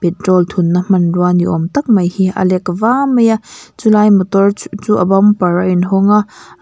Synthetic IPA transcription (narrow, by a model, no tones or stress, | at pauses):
pɛtɾɔlt̪ʰunːɐm̥ɐnrwaniʔɔmt̪ɐk̚mɐjhiɐ̰lɛkɐvamɐjat͡sulajmɔt̪ɔrt͡suʔɐ̰bɐmpɐɾaʔinɦɔŋa